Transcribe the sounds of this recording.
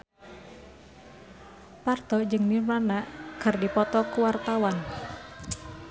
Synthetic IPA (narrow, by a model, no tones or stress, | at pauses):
part̪ɔd͡ʒɨŋnirmanaʔkɨrdipɔt̪ɔkuwart̪awan